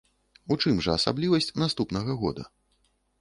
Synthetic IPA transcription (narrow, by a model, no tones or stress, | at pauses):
ut͡ʂɨmʐɐːsa̰blʲivɐsʲt͡sʲnast̪upnɐɣɐɣɔ̰d̪ɐ̰